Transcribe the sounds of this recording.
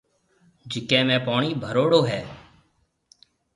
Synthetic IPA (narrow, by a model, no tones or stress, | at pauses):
d͡ʒɪkẽːmẽːpaːɳiːbʱəɾoːɽoːɦɛː